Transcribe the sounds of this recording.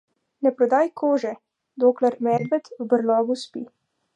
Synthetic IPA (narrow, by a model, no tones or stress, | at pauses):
nɛpɾɔd̪aːjkʰoːʒɛ | d̪oːklaɾmɛɾd̪bɛt̪ubəɾlɔːɡuspi